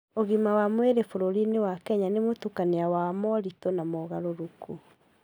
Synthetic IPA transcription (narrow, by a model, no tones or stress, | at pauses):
oɣimawamweɾefoɾoɾinewakɛɲanemotukaneawamɔɾitɔnamɔɣaɾoɾuku